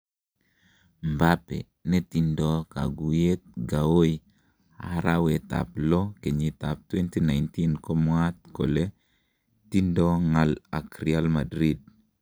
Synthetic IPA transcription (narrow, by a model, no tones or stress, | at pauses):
mbapḛ | netindɔka̰ɡujet̪̚ɡawoj | a̰ɾaweta̰plɔkeɲitap̚twɛntinajntinkomwat̪̚ko̰le | tindɔŋalakɾialmadɾid̚